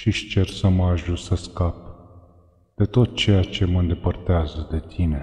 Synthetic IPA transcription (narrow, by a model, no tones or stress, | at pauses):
ʃiʃt͡ʃe̞rsəməaʒusəskap̚ | d̪̥e̞t̪o̞t̪̚t͡ʃe̞jat͡ʃe̞məɨnd̪e̞pərt̪eazəd̪e̞t̪ʰine̞